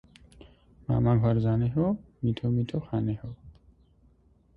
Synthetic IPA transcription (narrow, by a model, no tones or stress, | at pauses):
ma̰maɡʱɔɾzaneɦo | mitʰomit̪ʰoxaneho